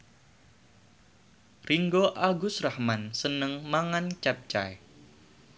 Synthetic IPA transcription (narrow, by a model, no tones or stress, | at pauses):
riŋɡoʔaɡʊsrahmansənəŋmaŋant͡ʃɛp̚t͡ʃa̰j